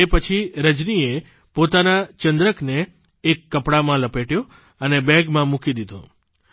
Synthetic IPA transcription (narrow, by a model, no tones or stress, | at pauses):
epət͡ʃʰiɾəd͡ʒnie | pot̪anat͡ʃənd̪ɾəkneː | kːəpɽamãləpeʈjo | ənebɛ̃ɡmãmukid̪id̪õ̰